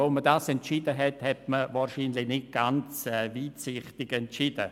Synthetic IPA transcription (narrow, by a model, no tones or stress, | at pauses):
omədaːsɛntt͡ʃidəɦɛthɛtməvaːɾʃiːnlɪnɪt̚ɡ̥ant͡sɛviːtsɪχtɪɡɛntt͡ʃidə̰